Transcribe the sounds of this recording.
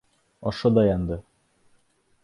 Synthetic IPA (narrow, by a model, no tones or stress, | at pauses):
ɒʃɤd̪ɑjɑnd̪ɤ